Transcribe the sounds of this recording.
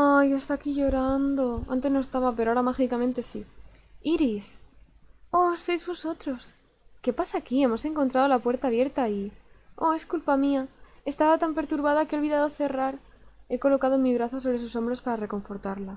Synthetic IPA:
ajoest̪aːkiʝo̞ɾand̪o̞a̰nt̪e̞zno̞est̪aβape̞ɾoaaɾamaxikamẽ̞nt̪e̞sḭ | iɾis | o̞so̞jzβo̞so̞t̪ɾo̞s | ke̞pasaːkie̞mo̞se̞ŋkont̪ɾað̞o̞lapwe̞ɾt̪aːβje̞ɾt̪aio̞e̞skulpamiae̞st̪aβat̪ampe̞ɾt̪uɾβað̞akelβiðaðo̞θe̞raɾe̞ko̞lo̞kað̞o̞miβ̞ɾaθaso̞βɾe̞s̬uso̞mbɾo̞spaɾare̞ko̞ɱfo̞ɾt̪aɾla

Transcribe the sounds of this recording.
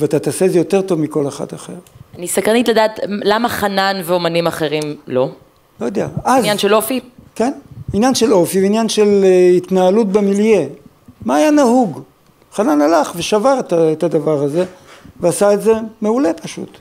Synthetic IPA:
veat̪at̪asezejo̞te̞ʁt̪o̞vmiko̞leχa̰d̪aχe̞̰ʁanisakʁanitladaːtlamaχananveomanimaχe̞ʁimlo̞ | lojod̪eaʔazjanʃelofike̞ninjanʃelo̞fiveinjanʃelit̪naalut̪̚bemilje | maːjanahuɡ | χananalaχve̞ʃavaʁet̪aet̪ad̪avaʁaze̞veasaetze̞me̞ule̞paʃṵt̪

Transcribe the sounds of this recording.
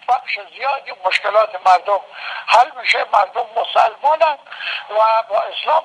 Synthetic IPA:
baχʃezijɒːd̪imoʃkelɒːt̪ʰemaɾd̪omhalmiʃemaɾd̪omːosalmɔːnand̪væbɒːeslɑːm

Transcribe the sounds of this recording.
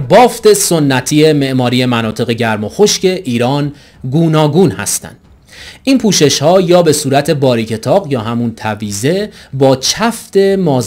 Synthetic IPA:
bɒːft̪e̞sonːæt̪ʰiːje̞me̞ʔmɒːɾije̞mænɒːt̪ʰe̞ɣe̞ɟæɾmo̞xo̞ʃce̞ʔiːɾɒːn | ɡuːnɒːɡuːnhæ̰st̪æ̰nd̪̥ | ʔiːnpʰuːʃe̞ʃhɒːjɒːbe̞suːɾæt̪ʰe̞bɒːɾiːcʰe̞t̪ʰɒːɣjɒːɦæmunt̪ʰæviːze̞bɒːt͡ʃʰæft̪e̞mɒːz

